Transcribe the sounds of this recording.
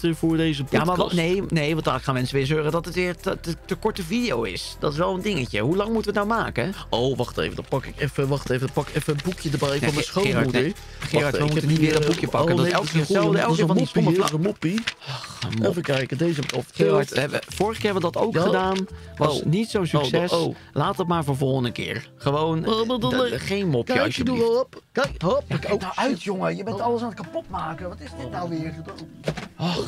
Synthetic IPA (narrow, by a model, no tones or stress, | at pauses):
tɪɹvʊːɹdejzəbamanejnejʋtaːləkχaːnmɛnsəʋɪːɹzøːrədɑtətʋɪːɹtətəkɔɹtəvidejowɪ̰sd̥ɑtɪs̬ʋɛlˠəndɪŋəcəɦulɑŋmutəʋətnawmaːkəowʋɑχtḛjvədɔtpɑkɪkɛfəʋɑχtejvədɔpɑkɪkɛfəəbukjədəɹbɛjfɔmɛsχoɪːɑmɹudə | χɪːɹɑɹʋəmtuənitʋɪːɹdɔbukjəpɑkənɛlˠkkɪːɹɛdəɛlˠfɔnɔkməlaəmopiɔχmfəkɛjkədejzəbəto̰fɪɑɹtəɛbəfoːrəχəkɪːrɦɛbʋədɔtowkχədaːnʋɔsnitsownsyksɛs | laːtəmaːɹvoːɹvɔlˠχəndəkɪ̰ːɹ | χəʋownəduəχejnmɔpəədpk | naʔœɥtjoŋəjəbɛ̃tɑlˠəsanətkapɔtmaːkəʋɑtɪsdɪtnawʋɪəɹədaɔ